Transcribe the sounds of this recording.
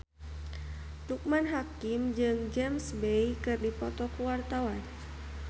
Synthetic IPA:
luk̚manɦakimd͡ʒɨŋd͡ʒɛmsbejkɨrdipɔt̪ɔkuwart̪awan

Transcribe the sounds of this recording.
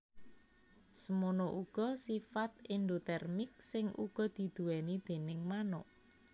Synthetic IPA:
səmonoʔuɡ̥ɔsifat̪̚ind̪ot̪ɛrmɪk̚sɪŋṵɡ̥ɔ̤d̪̥i̤d̪̥uwɛnid̪̥e̤nɪŋmanɔ

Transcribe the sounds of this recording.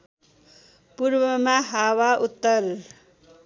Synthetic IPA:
puɾwʌmaɦawaʔut̪ːəl

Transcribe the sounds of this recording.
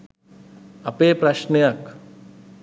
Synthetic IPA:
ɐpeːpɾɐʃnejɐk

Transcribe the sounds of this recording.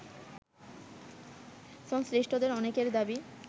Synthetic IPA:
ʃɔŋsɾiʃʈʰod̪eɾɔnekeɾd̪abi

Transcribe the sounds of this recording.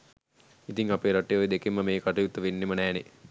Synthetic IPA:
it̪iŋapeːɾaʈːejojed̪ekemːəmeːkaʈɐjut̪ːəʋenːimənɛːne

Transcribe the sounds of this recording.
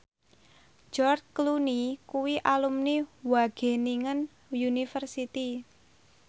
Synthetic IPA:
d͡ʒɔrd̚klunikuwiʔalumniwaɡ̥e̤niŋən | junifərsit̪i

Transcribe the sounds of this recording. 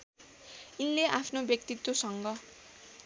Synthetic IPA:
inleʔapʰnobjʌk̚t̪it̪ːwosʌŋɡʌ

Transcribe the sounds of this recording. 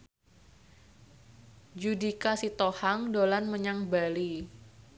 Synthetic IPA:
d͡ʒudikasit̪ohaŋdolanməɲaŋbali

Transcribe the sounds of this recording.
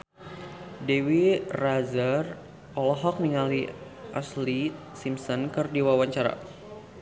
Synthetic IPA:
dewirazər | ɔlɔɦɔk̚niŋali | ʔasli | simsɔnkɨrdiwawaɲt͡ʃaɾa̰

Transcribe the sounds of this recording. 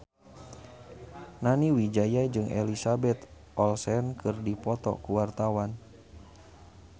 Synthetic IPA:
naniwid͡ʒajad͡ʒɨŋʔɛ̰lisabɛt̪ | ʔɔlsɛnkʰɨrdipɔt̪ɔ̰kuwart̪awan

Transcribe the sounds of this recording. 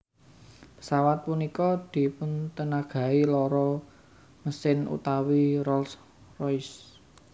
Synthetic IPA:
pə̥sawat̪̚punikɔd̪̥i̤pʊnt̪ənaɡ̥a̤ilɔɾɔ | məsɪnṵt̪awiɾɔls | rɔjs

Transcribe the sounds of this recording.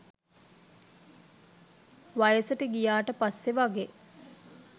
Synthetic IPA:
ʋajəsəʈəɡijaːʈəpasːeʋaɡeː

